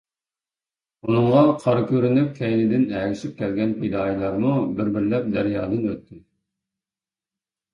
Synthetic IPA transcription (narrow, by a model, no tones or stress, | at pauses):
unɨɴʁɑqʰɑɾkʲøɾynyp̚kʲʰɛjnɪd̪ɪnɛlʲɪʃip̚kʲʰɛlɡʲɛnpʰed̪ɑːjilˠɑɾmubɪɾbɪɾlɛp̚d̪æɾjɑːd̪ɨnøt̪ʰːɪ